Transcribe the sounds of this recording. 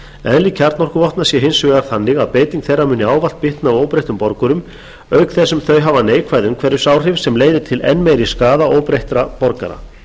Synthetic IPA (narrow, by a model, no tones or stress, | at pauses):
ɛðlicʰaɾt̪nɔr̥kʏvɔht̪nasjɛɦɪnsvɛɣaɾ̥θanːɪɣaðpeːjt̪iŋkθejrːamʏːnːɪaːwval̥t̪̚pɪht̪naːwoːwpɾejht̪ʏmpɔɾkʏɾʏm | œɥkθɛsːʏmθœɥɦavaneːjkʰvajðʏmkʰvɛɾʏ̥saːwr̥ɪvsɛmleːjðɪt̪ʰɪlɛ̰nːmejɾiskaːðaoːwpɾejht̪ɾapɔɾka̰ɾa̰